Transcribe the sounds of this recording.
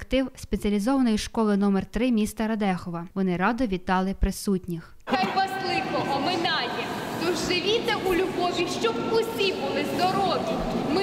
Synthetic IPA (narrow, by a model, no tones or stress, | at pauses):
ɐkt̪ɪwspet͡sʲɐlʲizɔʋɐnɔjiʃkɔlˠɪnɔmɛrt̪ɾɪmʲist̪ɐɾɐd̪ɛxɔʋɐʋɔnɪɾɑd̪ɔʋʲit̪ːɑlˠɪpɾɪsutʲnʲix | xɑjʋɑslˠɪkɔɦɔmɪnɑdʲɛt̪ɔʒʒɪʋʲit̪ɛʔulʲʊɦɔʋʲiʃt͡ʃɔpʊsʲipʊlˠɪzd̪ɔɾɔʋʲi | mɪ